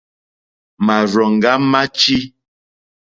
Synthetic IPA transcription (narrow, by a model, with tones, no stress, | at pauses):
ma˨ɾɔ˨ŋ˨ɡa˦ma˦t͡ʃi˦